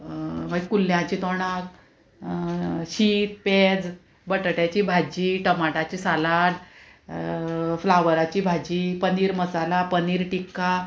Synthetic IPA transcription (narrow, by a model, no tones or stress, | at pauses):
maɡkulːjãt͡ɕiːt̪oɳak̚ | ɕiːt̪̚ped͡z | bəʈʈjat͡ɕiːbʱad͡ʑiːʈəmaʈat͡ɕiːsalaɽ | flaʋəɾat͡ɕiːbʱad͡ʑipəniːɾməsalapəniːɾʈikːa